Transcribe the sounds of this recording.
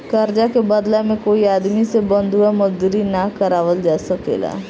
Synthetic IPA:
kɐɾd͡ʒakebɐd̪lamẽkoːiaːd̪misebɐ̃nd̪ʱuamʊd͡ʒd̪uɾinakɐɾaːʋəld͡ʒaːsəkḛːɡa̰ː

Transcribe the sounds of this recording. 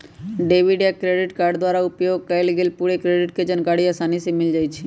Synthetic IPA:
ɖeʋiɖakɾeɖiʈkaɾɖd̪waɾaupjoɡ̚kəjlɡelpuɽekɾeɖiʈked͡ʒənkaɽiasanisemɪld͡ʒajt͡ʃʰi

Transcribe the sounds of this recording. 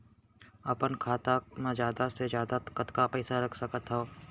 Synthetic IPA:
ɐpənkʰaːt̪amẽd͡ʒjaːd̪ased͡ʒjaːd̪at̪kət̪kapɛːsaɾɐkʰsəkət̪ɦoː

